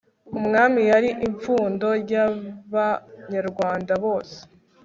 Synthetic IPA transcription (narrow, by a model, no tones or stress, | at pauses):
umŋaːmijaɾiʔiɱfuːndo̞ɾjaβaɲaɾɡwaːndaβo̞ːse̥